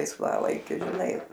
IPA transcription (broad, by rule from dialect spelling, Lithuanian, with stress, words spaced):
lˠɐɪsˈʋɑːlˠɐɪkʲʊ ʒʲɪˈnɐɪ